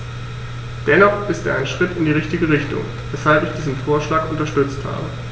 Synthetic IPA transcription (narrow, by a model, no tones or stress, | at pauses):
d̥ɛnɔχɪstḛːɐʔaɪnʃʁ̥ɪtɪndiːʁ̞ɪçtɪɡəʁ̞ɪçtʊ̰ŋ | vɛshalpɪçd̥iːzn̩foːɐʃlaːkʔʊntɐʃtʏt͡stha̰ːbə